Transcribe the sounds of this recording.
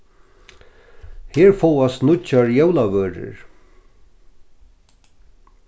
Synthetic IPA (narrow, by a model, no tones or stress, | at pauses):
hɪːɹfɔwast̪nʊt͡ʃːaɹjɛwlavœːɾɪ̰ɹ